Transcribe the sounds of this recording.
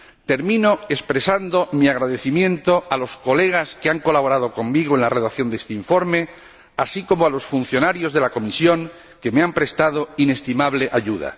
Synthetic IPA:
t̪e̞ɾmĩno̞espɾe̞sand̪o̞miaɣɾaðe̞θimjẽ̞nt̪o̞alo̞sko̞le̞ɣ̞askeaŋko̞laβ̞o̞ɾaðo̞ko̞mːiɣoe̞nlare̞ðakθjo̞nd̪est̪eiɱfo̞ɾme̞ | asiko̞moalo̞sfun̟θjo̞naɾjo̞zðe̞lako̞misjo̞ŋ | ke̞meampɾe̞st̪að̞o̞ine̞st̪imaβle̞ʔaʝuð̞a̰

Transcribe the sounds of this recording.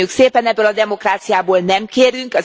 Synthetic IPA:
ukseːpɛnɛbːølɒd̪ɛmo̞kraːt̪sijaːboːlnɛmkeːɾyŋkɒ

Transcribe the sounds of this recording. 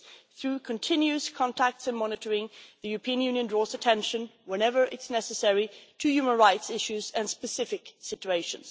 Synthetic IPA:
θɹʉkʰɨ̃ntʰɪ̃njʉskʰɑ̃ntʰæk̚tsɨ̃nmɑnɨɾə˞ɪ̃ŋðɨjʉɹəpʰĩə̃njʉ̃njɨ̃ndɹɔzɨtʰɛ̃nʃɨ̃nwɛ̃nɛvə˞ʔɪtznɛsɨsɛɹitʰɨjʉmə̃nɹaɪtsɪʃʉzɨ̃nspɨsɪfɨksɪt͡ʃueɪʃɨ̃nz̥

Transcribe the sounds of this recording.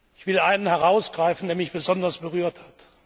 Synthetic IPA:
ʔɪçv̥ɪlʔaɪnənhɛʁaʊsɡ̥ʁaɪfn̩deːɐmɪçb̥əzɔndɐsb̥əʁyːɐthat

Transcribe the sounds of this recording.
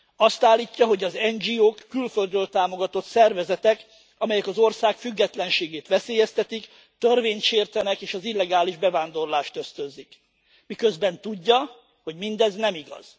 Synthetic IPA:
ɒst̪aːlːiːcːɒɦo̞ɟɒzɛnd͡ʒiːoːkːylfø̞ld̪øːlt̪aːmo̞ɡɒt̪o̞t̪sɛrvɛzɛt̪ɛk | ɒmɛjɛkɒzo̞rsaːkfyɡːɛt̪lɛnʃeːɡeːt̪ʋɛseːjɛst̪ɛt̪ik | t̪ørveːɲt̪ʃeːrt̪ɛnɛkeːʃɒzilːɛɡaːliʒbɛvaːnd̪o̞rlaːʃt̪ø̞st̪øzik | mikø̞zbɛnt̪uɟːɒ | ho̞ɟmind̪ɛznɛmiɡɒ̰z̥

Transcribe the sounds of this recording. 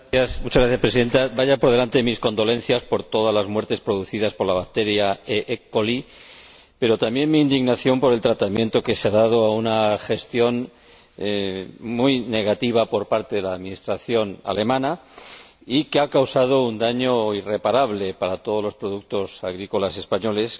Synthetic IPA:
asmut͡ʃazɣɾaθjaspɾesiðe̞nt̪abaʝapo̞ɾð̞e̞lant̪e̞misko̞nd̪o̞lẽ̞n̟θjaspo̞ɾt̪o̞ðazlazmwe̞ɾt̪e̞spɾo̞ðuθiðaspo̞ɾlaβak̚t̪e̞ɾjaeʔekoli | pe̞ɾo̞t̪ambje̞nmiːnd̪iɣnaθjo̞mpo̞ɾe̞lt̪ɾat̪amjẽ̞nt̪o̞ke̞seaðað̞o̞aunaxe̞st̪jo̞n | mujne̞ɣat̪iβ̞apo̞ɾpaɾt̪eðe̞laːðmĩnist̪ɾaθjo̞na̰le̞mãna | ikeakawsað̞o̞und̪aɲo̞ire̞paɾaβ̞le̞paɾat̪o̞ð̞lo̞spɾo̞ðuk̚t̪o̞saɣ̞ɾiko̞lase̞spaɲo̞le̞s

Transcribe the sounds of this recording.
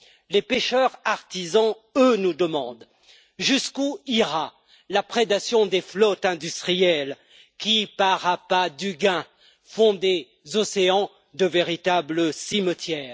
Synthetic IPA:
lepeʃœʁaʁt̪izɑ̃ | ønud̪əmɑ̰̃d̪ | ʒyskuiʁa | lapχed̪asjɔ̃d̪eflɔt̪ɛ̃d̪yst̪χijɛl | kʲipaʁapad̪yɡɛ̃ | fɔ̃d̪e | zɔseɑ̃ | d̪əveʁit̪abləsimət̪jɛːʁ

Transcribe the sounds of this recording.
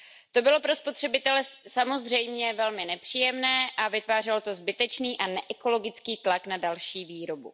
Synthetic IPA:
t̪o̞bɪlo̞pɾo̞spo̞t̪r̝̥ɛbɪt̪ɛlɛsamo̞zr̝ɛjmɲɛvɛlmɪnɛpr̝̥iːjɛmnɛːʔavɪt̪vaːr̝ɛlot̪ozbɪt̪ɛt͡ʃniːʔanɛʔɛko̞lo̞ɡɪt͡skiːt̪laknadalʃiːviːɾo̞bṵ

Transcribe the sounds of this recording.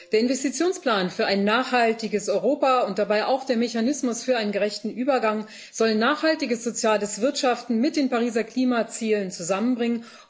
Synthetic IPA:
d̥eːɐɪnvɛstit͡sjoːnspl̥aːnfyːɐʔaɪnːaːχhaltɪɡəsɔʏʁoːpaʊnt̚d̥abaɪʔaʊxd̥eːɐmeçanɪsmʊsfyːɐaɪnənɡəʁɛçtn̩ʔyːbɐɡaŋ | z̥ɔlnaːχhaltɪɡəsz̥ot͡sjaːləsv̥ɪɐtʃaftn̩mɪt̚d̥eːnpaʁiːzɐkl̥iːmat͡siːlənt͡suzamənbʁɪŋən

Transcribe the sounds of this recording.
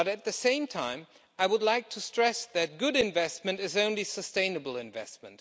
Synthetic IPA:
ʌɾɨt̪̚ðɨsẽɪ̃mtʰãɪ̃m | aɪwədˡlaɪk̚tʰɨstɹ̥ɛsðɨt̚ɡ̥ʊɾɨ̃ɱvɛst̚mɨ̃ntɨzõʊ̃nlisəstẽɪ̃nɨbl̩ˠɨ̃ɱvɛ̰st̚mə̃nt

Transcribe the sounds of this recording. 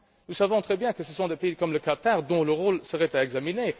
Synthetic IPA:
nusavɔ̃t̪χɛbjɛ̃kəsəsɔ̃d̪epeikɔmləkat̪aʁd̪ɔ̃ləʁolsəʁɛt̪aɛɡzamine

